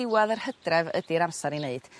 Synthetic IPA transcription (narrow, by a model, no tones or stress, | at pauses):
ɪwaðərhədrɛvə̰diɾamsaɾineɨd̥